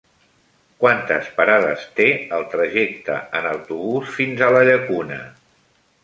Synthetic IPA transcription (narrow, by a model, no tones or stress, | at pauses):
kwant̪ə̰spəɾaðəst̪eəlˠt̪ɾəʒekt̪ə̰ənəwt̪uβ̞usfinzələʎəkunə̰